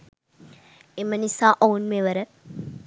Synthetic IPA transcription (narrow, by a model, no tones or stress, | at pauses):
emənisaːʔounmeʋəɾə